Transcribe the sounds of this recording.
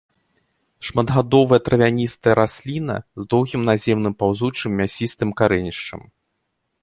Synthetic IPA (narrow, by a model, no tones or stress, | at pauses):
ʂmɐd̪ɣad̪ɔvɐjɐt̪ɾɐvʲanʲist̪ɐjɛɾasʲlʲinɐ̰zd̪ɔwɣʲimnazʲɛmnɨmpawzut͡ʂɨmːʲasʲist̪ɨmkaɾɛnʲiʂt͡ʂɐ̰m